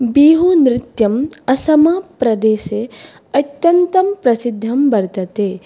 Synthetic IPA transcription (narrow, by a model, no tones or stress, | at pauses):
biːɦunɾɪt̪jɐmɐsɐmapɾɐd̪eːʃe | ɐt̪jɐnt̪ɐmpɾɐsid̪ʱːɐmbɐɾt̪ɐt̪eː